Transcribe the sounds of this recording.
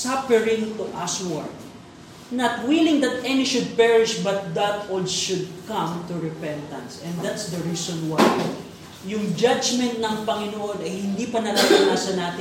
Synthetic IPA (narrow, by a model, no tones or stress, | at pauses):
sapɛɹɪ̃nt̪uʔaswaɹd̪̚ | nɐt̪wilɪ̃ŋd̪ɐt̪ʔɛniʃʊd̪̚pɛɹɪʃbɐt̪̚d̪at̪olʃʊd̪̚kɐ̃mt̪uɹɛpɛ̃nt̪ɐ̃nsɛ̃nd̪at̪sd̪ɐɹiːsɔ̃nwaj | jʊŋd͡ʒad͡ʒmɛ̃nt̪̚nɐŋpɐŋɪnoʔo̞nɐjhɪnd̪ipɐnɐlɐlalaːsɐnaːt̪ɪ